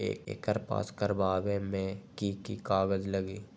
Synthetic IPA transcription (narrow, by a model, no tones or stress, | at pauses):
ḛːkɪ̰kəɾpa̰ːskəɾbaːbemẽkikikaːɡəd͡ʒləɡiː